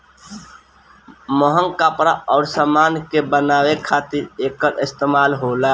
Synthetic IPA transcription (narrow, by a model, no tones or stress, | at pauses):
mɔɦəŋkaːpɾaʔɔːɾsaːmaːnkebənaːwekʰaːt̪ɪɾeːkːəɾɪst̪eːmaːlɦoːlaː